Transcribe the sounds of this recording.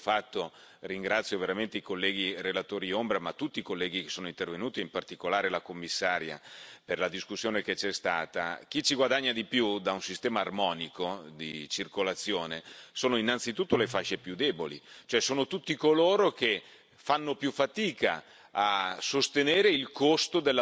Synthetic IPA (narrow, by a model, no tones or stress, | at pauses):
fat̪ːo | riŋɡɾat̪sːjoveɾament̪eikolːɛːɡ̟irelat̪oːɾiombɾamat̪ːut̪ːiːkolːɛːɡike̥sːoːnoint̪ervenuːt̪iimpart̪ikolaːɾelakomːisːaːɾja̰perlad̪iskusːjoːneket͡ʃɛst̪aːt̪a̰k̟it͡ʃiɡwad̪aɲːad̪ipjud̪aunsist̪ɛːmaːrmɔːnikod̪ḭt͡ʃirkolat̪sːjoːnesoːnoinːant̪sit̪ut̪ːolefaʃːepjud̪ɛbolḭt͡ʃoɛsoːnot̪ut̪ːikoloːɾok̟e | fanːopjufːat̪iːka | asost̪eneːɾeilkost̪od̪elːa